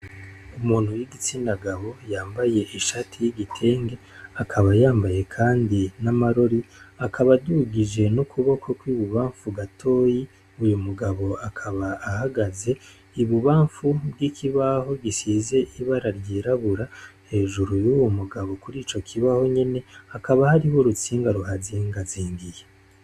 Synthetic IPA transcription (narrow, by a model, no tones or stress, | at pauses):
umuːn̥hujiɡit͡sinaɡaβo̞jaːmbaje̞ʔiʃatʰijiɡitʰe̞ːŋɡe̞akʰaβajaːmbaje̞kʰaːndinamaɾo̞ɾiakaβaduɡiʒe̞nukʰuβokokwiːβuβaːɱfuɡatʰo̞ːji | ujumuɡaβo̞akʰaβaːhaɡaze̞ | iβuβaːɱfubɡikʰiβaho̞ɡisize̞ʔiβaɾaɾjiːɾaβuɾahe̞ːʒuɾujuwomuɡaβo̞kuɾiːt͡ʃo̞kʰiβaho̞ɲe̞ne̞akaβahaɾiho̞ɾut͡siːŋɡaɾuhaziːŋɡaziːŋɡije